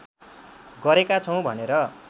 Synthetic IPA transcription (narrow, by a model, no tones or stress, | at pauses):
ɡʌɾekat͡sʰʌw̃bʱʌneɾʌ